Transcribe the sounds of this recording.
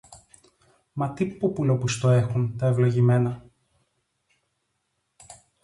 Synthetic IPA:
mɐt̪ipupulopust̪oexunt̪ɐevlo̞ʝime̞nɐ

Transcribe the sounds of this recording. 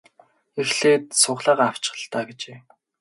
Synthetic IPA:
exɮeːt̪̚sʊχɮaːʁaw̥t͡ɕɪ̥̆ə̆ɮt̪aːɡet͡ɕeː

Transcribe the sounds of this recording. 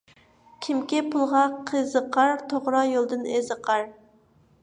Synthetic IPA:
kʲʰimkʲɪpʰulˠʁɑqʰəzəqʰɑɾt̪ʰoʁɾɑjolˠd̪ɨnezəqʰɑɾ

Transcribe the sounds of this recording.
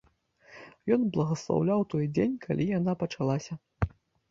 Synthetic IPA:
jɔnblˠɐɣɐslˠa̰wlʲawt̪ɔjd͡zʲenʲkʰa̰lʲʔijanapɐt͡ʂalˠasʲɐ

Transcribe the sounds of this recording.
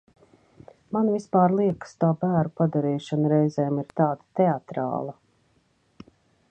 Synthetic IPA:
manvispaːɾlˠiɛkst̪uːbæːɾupad̪aɾiːʃanɾɛjzɛːmiɾt̪aːd̪at̪ɛat̪ɾa̰ːlˠa

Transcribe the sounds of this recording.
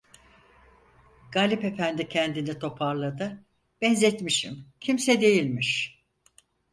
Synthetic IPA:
ɡ̥aːlʲipe̞fænd̪icʰɛnd̪init̪ʰo̞pʰaɾlˠad̪ɯ | b̥ɛnzɛt̪miʃḭmcʰimsɛd̪e̞jilʲmiʃ

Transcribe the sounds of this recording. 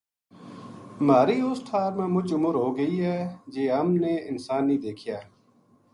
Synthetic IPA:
maːɾiːʊsʈ̪ʰaːɾmẽːmʊt͡ʃʊmʊɾɦoːɡəiɦɛːd͡ʒeːɦəmneːɪnsaːnːĩːd̪eːkʰijaː

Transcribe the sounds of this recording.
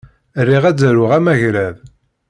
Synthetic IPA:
rːiʁæd͡zɾʊʁæmæʝɾæð

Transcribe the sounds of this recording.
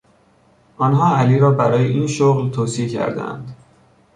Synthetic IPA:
ʔɒnɦɒːæliːɾɒːbæɾɒːjeʔiːnʃoɣlt̪ʰoːsiecʰæ̰ɾd̪æ̰nd̪

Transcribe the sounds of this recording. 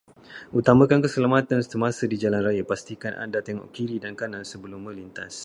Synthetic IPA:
ʔut̪amãkankəsəlamat̪anst̪umasədid͡ʒalanrajapast̪ikanʔa̰ndat̪ɛŋɔ̰ʔkiɾidankanãnsəbəlʊmːə̃lint̪a̰s

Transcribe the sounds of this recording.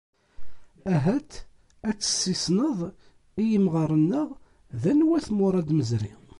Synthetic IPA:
æɦæt̪ | æt͡sːə̥sːisnəðˤ | ijəmʁəɾˤənːəʁ | ðænwæθmʊɾˤɑd̪məzɾi

